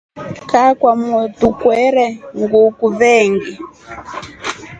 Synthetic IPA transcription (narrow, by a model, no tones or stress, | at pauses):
kakwamɔtukwɛɾɛŋɡukuβɛːŋɡi